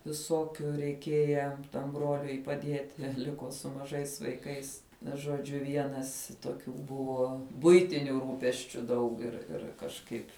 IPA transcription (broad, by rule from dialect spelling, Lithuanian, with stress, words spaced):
ʋʲɪˈsoːkʲʊ rʲɛɪˈkʲiɛjɛ tɐm ˈbroːlʲʊɪ pɐˈdʲiɛtʲɪ ˈlʲɪkoː sʊ mɐˈʒɐɪs ʋɐɪˈkɐɪs ʒoːˈd͡ʒʲʊ ˈʋʲiɛnɐs toːˈkʲuː ˈbʊʋoː ˈbʊɪtʲɪnʲʊ ˈruːpʲɛsʲt͡ʃʲʊ ˈdɐʊk ɪr ˈɪr kɐʃˈkɐɪpʲ